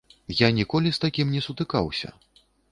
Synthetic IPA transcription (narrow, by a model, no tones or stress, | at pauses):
janʲikɔlʲist̪akʲimnʲɛsut̪ɨka̰wsʲɐ̰